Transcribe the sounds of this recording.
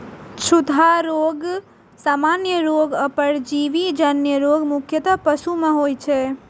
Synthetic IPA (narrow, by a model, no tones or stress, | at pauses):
t͡ʃʰud̪ʱaɾoːɡ | saːmaːnjəɾoːɡəpəɾd͡ʒiʋid͡ʒənjəɾoːɡmʊkʰjət̪əpəsumẽɦoːjt͡ʃʰɛ